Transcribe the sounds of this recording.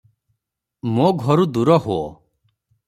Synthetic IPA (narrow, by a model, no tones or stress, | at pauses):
moɡʱɔɾud̪uɾɔɦoɔ̰